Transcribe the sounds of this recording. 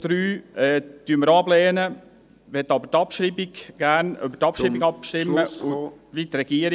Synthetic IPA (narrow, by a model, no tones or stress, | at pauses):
d̥ɾyːɛtyəməɾɑblɛːnə | ʋɛtːɑbətɑpʃɾiːbiɡɡ̥æɾnøbətɑpʃɾiːbiɡɑpʃtɪmːəʊʋit̪ɾɛɡ̥iəɾ